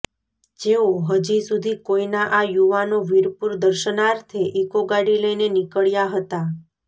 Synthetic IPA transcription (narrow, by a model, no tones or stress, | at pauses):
d͡ʒeoɦəd͡ʒisud̪ʱikoinaʔajuʋanoʋiɾpuɾd̪əɾʃənaɾt̪ʰeʔikoɡaɽiləjnenikəɭjaɦət̪a